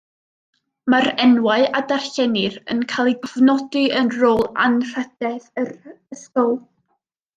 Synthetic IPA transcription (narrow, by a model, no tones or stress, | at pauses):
maɾɛnwaɨʔadar̥ɬɛnɪrə̰nkʰalˠiɡɔvnɔdɨənroːlˠa̰nr̥əd̥ɛðərəskɔlˠ